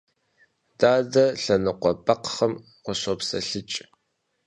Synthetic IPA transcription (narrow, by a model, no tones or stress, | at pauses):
d̥aːdɐɬɐnɨqʷɔpɐqχɐm | qʷɔɕɔpsɐɬɨt͡ʃʼ